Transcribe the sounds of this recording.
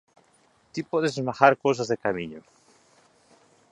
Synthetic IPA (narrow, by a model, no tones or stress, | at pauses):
t̪ipoðezmaxaɾkos̬azðekamiɲo